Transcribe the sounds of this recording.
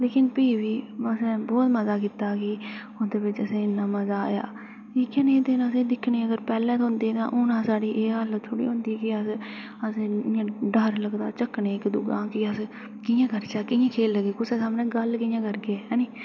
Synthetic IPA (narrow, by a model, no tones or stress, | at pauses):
leːkɪnpiːʋiːəsɛ̃ːbɔːt̪məzaːk̬ɪt̪aːkɪ | ʊsd̪eːbɪt͡ʃəsẽːɪnːãːməzaːja̰ː | iːkɛnẽːt̪enəsẽːd̪ɪkʰneːəɡəɾpɛːlɛ̃ːt̪ɦʊ̃nd̪eːt̪ã̰ːʔʊnãːsaːɽiːʔeːɦəlt̪ʰoːɽḭːɦʊ̃nd̪iːkɪəs | əsẽãːɖəɾləɡd̪a̰ːt͡ʃəknẽːkd̪ʊɡãːkɪəs | kɪjãːkəɾt͡ʃaːkɪjãːkʰeːlːəɡeːkʊseːsaːmnẽːɡəlkɪjãːkəɾɡeːɦɛːniː